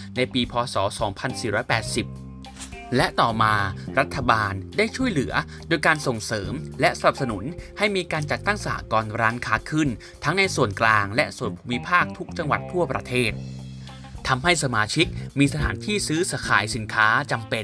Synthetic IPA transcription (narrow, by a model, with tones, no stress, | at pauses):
na˧jpiː˧pʰɔː˧sɔː˩˦sɔː˩˦ŋpʰa˧nsiː˨˩ɾɔː˦˥jpɛː˨˩t̪̚si˨˩p̚ | lɛ˦˥ʔt̪ɔː˨˩maː˧ɾa˦˥t̪ʰːa˧baː˧ndaː˥˩jt͡ɕʰu˥˩əjlɯ˩˦ɐ | doː˧jkaː˧nso˨˩ŋsɤː˩˦mlɛ˦˥ʔsa˧na˨˩p̚sa˧nu˩˦nha˥˩jmiː˧kaː˧nt͡ɕa˨˩t̪ːa˥˩ŋsa˧˨a̰˨˩kɔː˧nɾaː˦˥nkʰaː˦˥kʰɯ˥˩n | t̪ʰa˦˥ŋna˧jsu˨˩ənklaː˧ŋlɛ̰˦˥ʔsu˨˩ənpʰu̥ː˧mi˦˥pʰaː˥˩k̚t̪ʰu˦˥k̚t͡ɕa˧ŋwa̰˨˩t̪ʰːu˥˩ɐpɾa̰˧t̪ʰeː˥˩t̪̚ʰː | a˧mɦa˥˩jsa˧maː˧t͡ɕʰi˦˥k̚miː˧sa˧t̪ʰaː˩˦nt̪ʰiː˥˩sɯː˦˥sa˧˦kʰa̰ː˩˦jsi˩˦nkʰaː˦˥t͡ɕa˧mpe˧n